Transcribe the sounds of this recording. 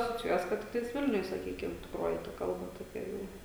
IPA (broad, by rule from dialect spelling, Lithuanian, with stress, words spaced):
ɐsoːt͡sʲɪˈjuɔjɛs ˈkɐt ˈtʲɪktɐɪs ˈʋʲɪlʲnʲʊj sɐˈkʲiːkʲɪm tʲɪkˈroːjɪ tɐ ˈkɐlˠbɐ toːˈkʲɛ ˈjɛʊ